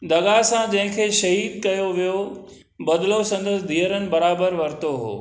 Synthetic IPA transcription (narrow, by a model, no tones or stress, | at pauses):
d̪ɐɡasãd͡ʑɐ̃ɦɪ̃kʰeːʃɐɦiːd̪̚kɐjoʋijo | bɐd̪ɪlosɐ̃nd̪əsɪd̪ʱiːəɾənɪ̆bɐɾaːbəɾʋɐɾt̪oɦo̰ː